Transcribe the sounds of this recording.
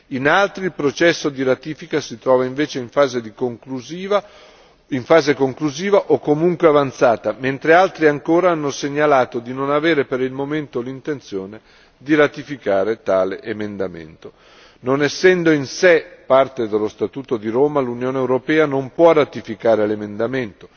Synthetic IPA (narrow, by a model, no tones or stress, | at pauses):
inalt̪ɾiːlpɾot͡ʃɛsːod̪iɾat̪iːfikasit̪ɾɔːvaiɱveːt͡ʃeiɱfaːzed̪ikoŋkluziːva | iɱfaːzekoŋkluziːvaʔokːomuŋkweavant̪saːt̪ament̪ɾealt̪ɾiaŋkoːɾaanːoseɲːalaːt̪od̪inonaveːɾepeɾilmoment̪olint̪ent̪sjoːne | d̪iɾat̪ifikaːɾet̪aːleʔemend̪amḛnt̪o | nonɛsːɛnd̪oinsepart̪ed̪elːost̪at̪uːt̪od̪iɾoːmalunjoːneːwɾopɛːanompwɔrat̪ifikaːɾelemend̪ament̪o̥